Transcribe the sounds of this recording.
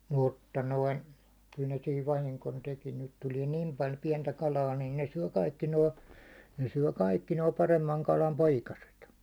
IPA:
mutːɑ noin̞ kyl ne siːʋ ʋɑhiŋkon teki nyt tulie nim pɑlʲ piɛntæ kɑlɑː nin ne syø kɑikːi noː ne syø kɑikːi noː pɑremːɑŋ kɑlɑm poikɑset

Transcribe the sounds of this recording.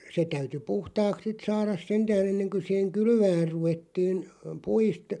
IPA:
se tæyty puhtɑːks sit sɑːrɑs sentæːn̞ enːeŋkø siˑheŋ kylʋæːr̆ ruʋetːiːn puist

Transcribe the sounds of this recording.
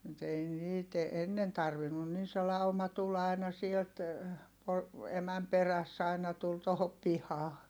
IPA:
mut ei niːt enːen tɑrʋinːun nin se lɑumɑ tul ɑi̯nɑ sielt po emæm peræsː ɑinɑ tul tohop pihɑː

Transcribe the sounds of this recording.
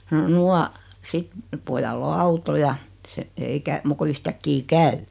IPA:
no nuɑ sit pojɑlː o ɑuto jɑ se ei kæ muk ko yhtækːi kæy

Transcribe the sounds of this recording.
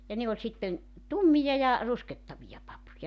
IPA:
jɑ ne olʲ sitːen tumːijɑ jɑ rusketːɑʋijɑ pɑpujɑ

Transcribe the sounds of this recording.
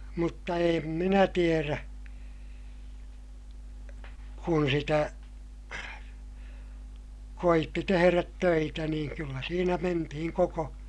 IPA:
mutːɑ eːm minæ tieræ kun sitæ koitːi teheræt tøitæ niːŋ kylːæ siːnæ mentihiŋ koko

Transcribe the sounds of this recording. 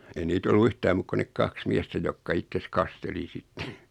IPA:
ei niːt olːu yhtæːm muːk kun nek kɑks miɛstæ jokːɑ itːes kɑsteli sitːe

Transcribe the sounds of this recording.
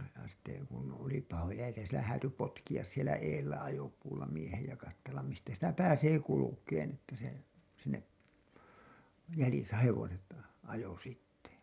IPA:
jɑ sitːe kun oli pɑhojɑ jæ sielæ hæːty potkij̆ɑs sielæ eːlːæ ɑjopuːlːɑ miehej jɑ kɑtːelːɑm mistæ sitæ pæːseː kulukeːn etːæ se sinːep jælisæ heʋoset ɑjo sitːe

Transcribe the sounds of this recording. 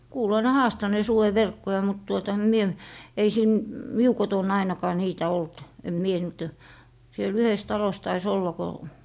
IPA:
kuːloi ne hɑːstɑneː suweʋerkːojɑ mut tuotɑ em mie ei siːn miu koton ɑinɑkɑː niːtæ olt em mie niːt o siel yhes tɑlos tɑis olːɑ ko

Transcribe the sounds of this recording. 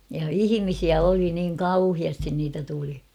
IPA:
jɑ ihimisiæ oli niːŋ kɑuhiɑstin niːtæ tuli

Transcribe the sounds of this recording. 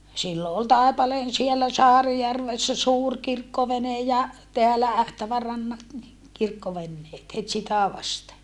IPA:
silːo ol tɑˑepɑleːn sielːæ sɑːrijærʋesːæ suːr kirkːoʋene jɑ teælæ æhtæʋærɑnːɑt ni kirkːoʋenːeːt het sitæ ʋɑste

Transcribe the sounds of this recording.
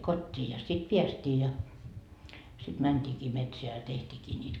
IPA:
kotʲːiː jɑ sit piæstiː jɑ sit mæntʲiːkiː metseæ jɑ tehtʲiːkiː nʲiːt

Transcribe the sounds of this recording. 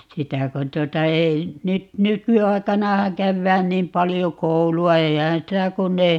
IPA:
sitæ kon tuotɑ ei nyt nykyɑi̯kɑnɑhɑŋ kæʋːæːn niːm pɑlijo kouluɑ eihæ̃ː sitæ kunː ei

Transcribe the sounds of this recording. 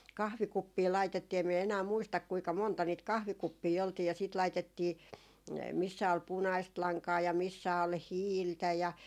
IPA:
kɑhʋikupːiː lɑitetːiː em miɛ enæː muistɑk kuikɑ montɑ niːt kɑhʋikupːiː oltiː jɑ siːt lɑitetːiː misːæ ol punɑist lɑŋkɑː jɑ misːæ ol hiːltæ jɑ

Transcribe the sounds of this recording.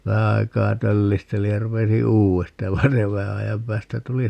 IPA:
ʋæhæ ɑikɑː tølːistelij jɑ rupesi uːestɑ jɑ ʋɑin se ʋæhæ ɑjɑm pæːstæ tuli

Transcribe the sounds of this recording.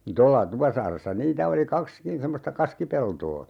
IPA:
tolːɑ tupɑsɑːresːɑ niːtæ oli kɑkskin semːostɑ kɑskipeltoː

